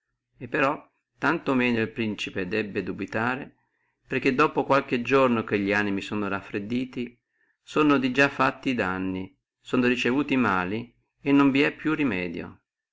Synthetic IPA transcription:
epːeɾɔ | t̪ːant̪omɛːnoilpɾint͡ʃiped̪ɛbːed̪ubit̪aːɾe | perk̟ːed̪ːɔːpokwalk̟ed͡ʒornok̟eʎːiaːnimisoːnorafːɾed̪ːiːt̪i | soːnod̪id͡ʒafːat̪ːiːd̪anːi | soːnoɾit͡ʃevuːt̪imaːli | enːoɱviɛpːjurimɛːd̪jo̰

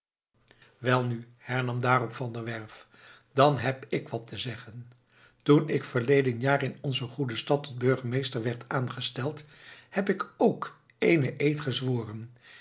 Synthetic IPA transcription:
ʋɛlˠny | hɛɹnɑmdaːrɔpfɑndəɹʋɛɹf | d̥ɑnɦɛpɪkʋɑtəzɛχən | tunɪkfəɹlejdənjaːɹɪnɔnzəχudəstɑtɔd̚bɵɹχəmejstəɹʋɛɹtʰaːnχəstɛlˠthɛpɪkowk | ejnəʔejtχəzʋoːrən

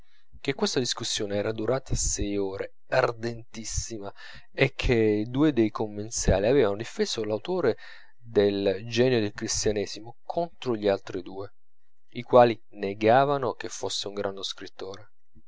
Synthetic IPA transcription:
k̟ekːwest̪ad̪iskusːjoːneɛːɾad̪uɾaːt̪ʰasɛjoːɾe | ard̪ent̪isːima | ekʰːed̪uːed̪ejkomːensja̰ːliaveːvanod̪ifeːz̥olawt̪oːɾe | d̪eld͡ʒɛːnod̪elkɾist̪janɛːsimokʰont̪ɾoʎialt̪ɾid̪uːe | ikwaːli | neɡaːvanok̟efːosːeuŋɡɾʔand̪oskɾit̪ːoːɾe

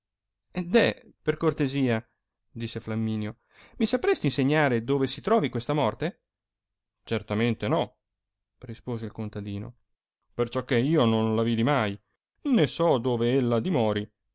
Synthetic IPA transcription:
ɛd̪ɛperkort̪eziːa | d̪isːeflamːiːnjo | misapɾest̪inseɲːaːɾed̪oːvesit̪ɾɔːvikwest̪amɔrt̪e | t͡ʃert̪ament̪enɔ | rispoːzeilkont̪ad̪iːno̰ | pert͡ʃɔkːeiːononlaviːd̪imaj | nesɔd̪oːveelːad̪imɔːɾi

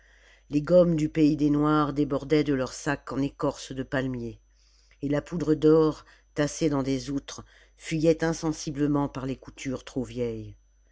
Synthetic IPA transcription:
leɡɔmd̪ypeid̪enwaʁd̪ebɔʁd̪ɛd̪əlœʁsakɑ̃nekɔʁsd̪əpalmjeː | lapud̪ʁəd̪ɔʁ | t̪ased̪ɑ̃d̪ezut̪χ | fɥijɛt̪ɛ̃sɑ̃sibləmɑ̃paʁlekut̪ʰyʁt̪χovjɛj

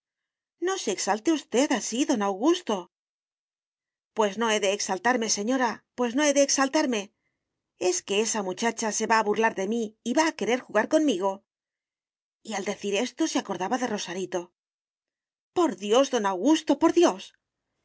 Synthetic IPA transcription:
no̞se̞ːksalt̪eust̪e̞ðasiðo̞nawɣust̪o̞ | pwe̞zno̞e̞ðe̞ːksalt̪aɾme̞se̞ɲo̞ɾapwe̞sno̞e̞ðe̞ːksalt̪aɾme̞ | e̞ske̞e̞samut͡ʃat͡ʃase̞βaːβurlaɾðe̞miːβaːke̞ɾe̞ɾxuɣaɾko̞nmiɣo̞ | iald̪e̞θiɾe̞st̪o̞seako̞ɾðaβaðe̞ro̞saɾit̪o̞ | po̞ɾðjo̞zðo̞nawɣust̪o̞po̞ɾðjo̞s

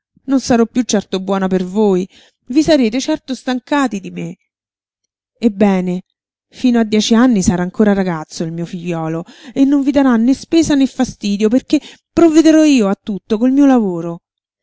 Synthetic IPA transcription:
nonsaɾɔpːjut͡ʃːɛrt̪obwɔːnapervoːj | visaɾeːt̪et͡ʃɛrt̪ost̪aŋkaːt̪id̪ime | ebːɛːne | fiːnoad̪ːjɛːt͡ʃianːisaɾaːŋkoːɾaɾaɡat̪sːoilmiːofiʎːɔːloenːoɱvid̪aɾanːespeːsanefːast̪iːd̪joperkepːɾovːed̪eɾɔiːoat̪ːut̪ːokolmiːolavoːɾo

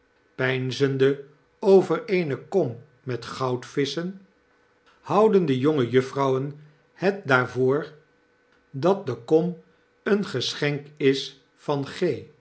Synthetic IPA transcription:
pɛjnzəndə | owvərejnəkɔmː | ɛtχɑwtfɪsən | hɑwdəndəjoŋəjɵfrɑwən | hɛt̚daːɹvoːɹ | dɑt̚dəkɔm | ənχəsχɛŋkɪs | fɑnχej

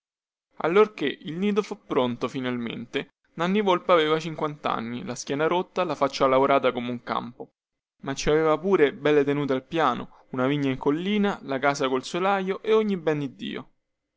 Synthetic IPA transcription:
a̰lːorkeʔilniːd̪ofupːɾont̪ofinalmḛnt̪e | nanːivolpaveːvat͡ʃiŋkwant̪a̰nːilaskjɛːnaɾot̪ːalafat͡ʃːalaoɾaːt̪akomeuŋka̰mpo | mat͡ʃːiaveːvapuːɾebɛlːet̪enuːt̪̬ealpjaːno̰ | unaviɲːaiŋkolːiːnalakaːsakolsolajoʔeoɲːibɛnd̪id̪ːḭːo̰

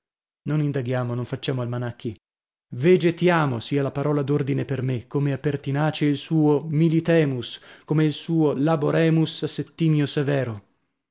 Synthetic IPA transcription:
nonind̪aɡjaːmonõɱfat͡ʃːaːmoalmanakːi | ved͡ʒet̪jaːmosiːalapaɾɔːlad̪ord̪inepermekʰːomeapːert̪inaːt͡ʃeilsuːomilit̪ɛːmuskomeilsuːolaboɾɛːmusasːet̪ːiːmjosevɛːɾo

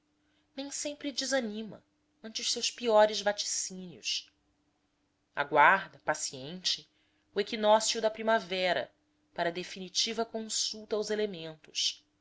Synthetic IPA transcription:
nẽj̃sẽmpɾɪd͡ʒizanĩmɐ̰ | ɐ̃nt͡ʃɪʊʃsewspiɔɾɪzvat͡ʃi̥sĩniʊs | a̰ɡwaɾd̪ɐpasiẽnt͡ʃɪ | uekinɔsiud̪ɐpɾimavɛɾɐ̰ | paɾɐd̪efinit͡ʃivɐkõsuwt̪ɐːwzelemẽnt̪ʊ̥s

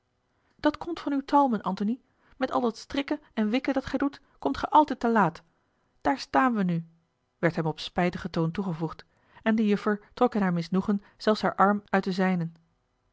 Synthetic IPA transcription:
d̥ɑtkɔmtfɑnywtʰɑlˠmənʔɑntoni | mɛtɑ̰lˠdɑtstrɪkəɛnʋɪkədɑtχɛjdut | kɔmtχɛjʔɑlˠtɛjtəlaːt | d̥aːɹstaːnʋəny | ʋɛɹtɦɛmɔpspɛjtəχətowntuχəvuχt | ɛndəjɵfəɹtrɔkɪnɦaːɹmɪsnuχən | z̥ɛlˠsɦaːɹʔɑɹmœɥt̚dəzɛjnən

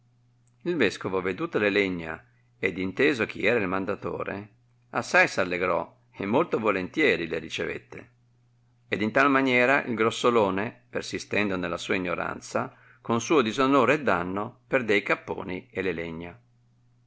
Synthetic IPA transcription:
ilvɛskovoved̪uːt̪oleleɲːa̰ | ed̪int̪eːzok̟ʰiɛːɾailmand̪at̪o̰ːɾḛ | asːajsalːeɡɾɔ̰ | emːolt̪ovolent̪jɛːɾileɾit͡ʃevḛt̪ːḛ | ed̪int̪almanjɛːɾaʔḭlɡɾosːoloːnepersist̪ɛnd̪onelːasuːaiɲːoɾa̰nt̪sa | konsuːod̪izonoːɾeɛd̪ːanːoperd̪eikapːo̰ːnieleleɲːa

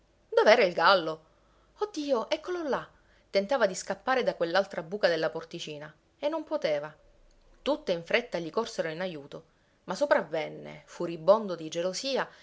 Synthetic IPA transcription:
d̪oveɛːɾailɡalːo | od̪ːiːoʔɛkːolola | t̪ent̪aːvad̪iskapːaːɾed̪akwelːalt̪ɾabuːkad̪elːaport̪it͡ʃiːna | enːompot̪eːva | t̪ut̪ːeiɱfɾet̪ːaʎikorseɾoinajuːt̪o | masopɾavːenːḛfuribːond̪od̪id͡ʒelosiːa

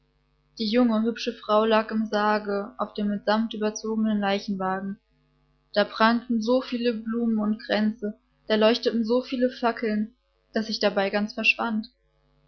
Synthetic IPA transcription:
d̥iːjʊŋəhʏpʃəfʁ̥aʊlaːkɪmzaːɡəʔaʊfd̥eːmɪtz̥amptʔyːbɐt͡soːɡənənlaɪçn̩vaːɡŋ̩ | d̥aːbʁantn̩zoːfiːləbluːmənʊntɡ̥ʁɛnt͡sə | d̥aːlɔʏçtətn̩zoːfiːləfakʰl̩n | d̥asz̥ɪçd̥abaɪɡant͡sfɛɐʃv̥ant

